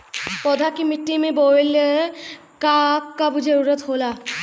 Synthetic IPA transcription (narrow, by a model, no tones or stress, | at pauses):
pɔd̪ʱakimiʈːimebole | kakːabud͡ʒʱeuɾət̪ɦola